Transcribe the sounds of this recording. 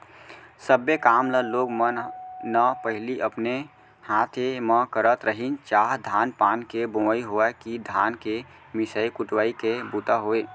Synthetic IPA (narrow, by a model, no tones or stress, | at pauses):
səbːekaːmləloːɡmənəpəɦɪliʔəpne | hat̪ʰeməkəɾət̪ɾəɦint͡ʃaːɦd̪ʱanpaːnkebõəiɦoɛkid̪ʱaːnke | misəikuʈwəikebut̪aɦoe